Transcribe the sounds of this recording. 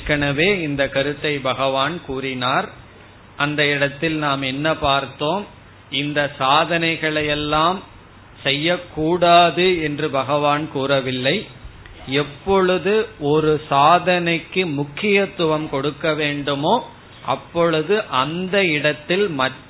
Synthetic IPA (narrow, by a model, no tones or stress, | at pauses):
kːɐɳɐʋeːɪnd̪ɐkɐɾɯt̪ːɐɪbɐɣɐʋaːnkuːrɪnaːɾ | ʔɐnd̪ɐɪɽɐt̪ːɪlnaːmɛnːɐpaːɾt̪oːm | ɪnd̪ɐsaːðɐnɐɪɣɐɭɐjɛlːaːm | sɛjːɐkːuːɽaːðɯɛndrɯbɐɣɐʋaːnkuːrɐʋɪlːɐɪ | ɛpːɔɭɯðɯɔɾɯsaːðɐnɐɪkːɯmʊkːɪjɐt̪ːʊʋɐmkɔɽɯkːɐʋeːɳɖɯmoː | ʔɐpːɔɭɯðɯʔɐnd̪ɐɪɽɐt̪ːɪlmɐʈː